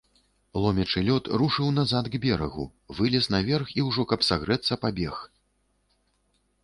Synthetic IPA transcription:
lˠɔmʲɛt͡ʂɨlʲɔt̪ruʂɨwnazat̪ɡbʲɛɾɐ̰ɣṵ | vɨlʲɛsnɐvʲɛrxiwʐɔkɐpsaɣɾɛt̪sːɐpabʲɛx

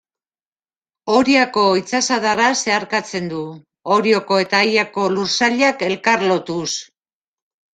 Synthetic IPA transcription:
o̞ɾiako̞it͡sasaðarase̞aɾkat͡se̞nd̪u | o̞ɾio̞ko̞e̞t̪ajako̞luɾsaʎake̞lkaɾlo̞t̪us

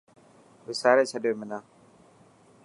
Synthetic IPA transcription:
ʋɪsaːɾeːt͡ʃʰəɗjoːmɪnãː

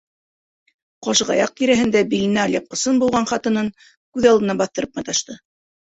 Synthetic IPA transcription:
qɑʃɤʁɑ̰jɑq̚k̪iɾæɦɘ̆nd̪æbilɘ̆næːlʲjɑp̚qɤ̆sɤnbulˠʁɑnχɑt̪ɤ̆nɤn | kʉðɑlˠd̪ɤ̆nɑbɑθt̪ɤ̆ɾɤpmɑt̪ɑʃt̪ɤ

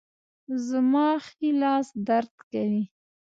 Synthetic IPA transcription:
zəmɑxilɑːsd̪aɾd̪kawi

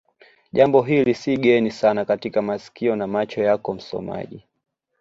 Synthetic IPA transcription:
ʄambɔɦilisiɠɛnisanakatikamasi̥kiɔnamat͡ʃɔjakɔm̩sɔ̰ma̰ʄi

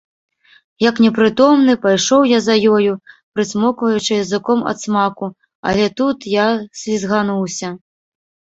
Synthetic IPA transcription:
jɐknʲɛpɾɨt̪ɔmnɨpajʂɔwjazɐjɔjupɾɨsʲmɔkvɐjut͡ʂɨjɐzɨkɔmɐ̰t̪smaku | ɐ̰lʲɛt̪ut̪jasʲvʲizɣan̪uwsʲɐ

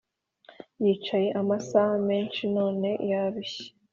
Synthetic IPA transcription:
jiːt͡ʃaje̞ʔamasahame̞ːnʃino̞ːne̞jaβiçe̥

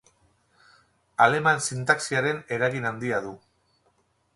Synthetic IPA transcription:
ale̞mansint̪aksiaɾe̞ne̞ɾaɣinand̪iaðu

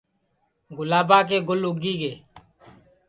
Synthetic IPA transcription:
ɡʊlaːbãːk̬eːɡʊlʊɡiːɡeː

